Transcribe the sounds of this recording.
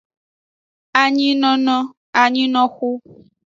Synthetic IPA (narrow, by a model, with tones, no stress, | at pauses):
a˨ɲĩ˦nɔ̃˦nɔ̃˦ | a˨ɲĩ˦nɔ̃˦xu˦